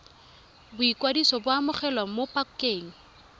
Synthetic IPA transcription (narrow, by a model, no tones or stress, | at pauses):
bʊikwadisɔbʊamʊχɛlwamopʼakkeːŋ̩